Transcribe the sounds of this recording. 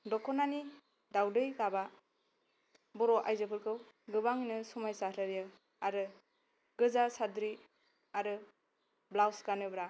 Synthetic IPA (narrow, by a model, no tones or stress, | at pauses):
dɔkʰɔnani | dawdɯjɡaba | bɔɾɔʔajzɯpʰɯɾkʰɯw | ɡɯbaŋinɯsɔmajsaɾʰaɾjɯ | aɾɯ | ɡɯzasadɾi | aɾɯ | blawsɡanɯbɾa